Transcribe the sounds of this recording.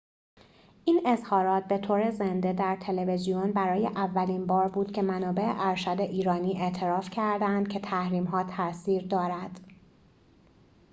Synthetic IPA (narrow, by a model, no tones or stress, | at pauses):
ʔiːne̞zhɒːɾɒːt̪̚be̞t̪ʰoːɾezend̪e̞d̪æɾt̪ʰe̞le̞ve̞zijonbæɾɒːjeʔævːæliːnbɒːɾbuːd̪̥cʰemænɒːbe̞ʔḛʔæɾʃæd̪e̞ʔiːɾɒːniːʔe̞ʔt̪ʰe̞ɾɒːfcʰæɾd̪ænd̪̥̚cʰe̞t̪ʰæhɾiːmɦɒːt̪ʰæsiːɾd̪ɒːɾæd̪̥